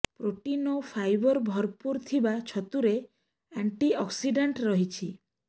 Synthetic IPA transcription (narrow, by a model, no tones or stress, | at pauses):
pɾoʈinopʰajbɔɾbʱɔɾpuɾt̪ʰibat͡ʃʰɔt̪uɾe | aɳʈiɔksiɖaɳʈɾɔɦit͡ʃʰi